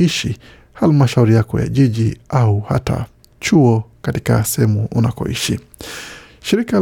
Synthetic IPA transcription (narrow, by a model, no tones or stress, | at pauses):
iʃi | halmaʃauɾijakɔ̰ja̰ʄiʄiauha̰ta̰ | t͡ʃuɔkatika̰sɛɛmuʔṵnakɔ̰ḭʃi | ʃiɾika